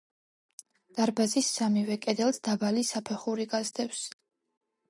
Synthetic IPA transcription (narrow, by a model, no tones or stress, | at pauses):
d̪̥aɾbazisːamivɛkʼɛd̪ɛlˠsd̪abalisapʰɛχuɾiɡazd̪ɛws